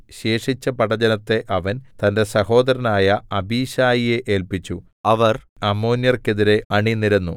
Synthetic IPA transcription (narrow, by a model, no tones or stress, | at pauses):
ɕe̞ːʂit͡ɕːɐpɐɽɐd͡ʑɐnɐt̪ːe̞ʔɐʋɐnt̪ɐnde̞sɐho̞ːd̪ɐɾɐnaːjɐɐbʱiːɕaːjije̞ʔeːlpit͡ɕːu | ɐʋɐr | ɐmːoːnjɐrke̞ðiɾe̞ɐɳiniɾɐnːu